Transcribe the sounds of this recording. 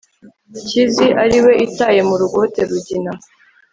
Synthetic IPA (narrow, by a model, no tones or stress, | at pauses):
ciziʔaɾiwe̞ʔitaje̞muɾuɡo̞te̞ɾuɟina